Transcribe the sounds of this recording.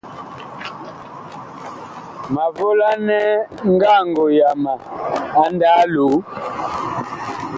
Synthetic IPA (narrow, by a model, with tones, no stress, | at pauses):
ma˨vo˦la˦nɛ˦ŋ˦ɡa˦˨ŋɡo˨ja˨ma˨a˨˦nda˦lu˨˦